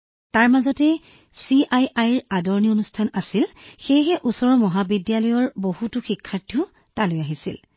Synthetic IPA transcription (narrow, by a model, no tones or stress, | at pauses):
taɹmazɔtɛ | siajajɹadɔɹnionustʰanasilxejɦɛʔusɔɹɔmɔɦabidjalɔjɔɹboɦutʊxikʰːaɹtʰiʊ | talojaɦisḭl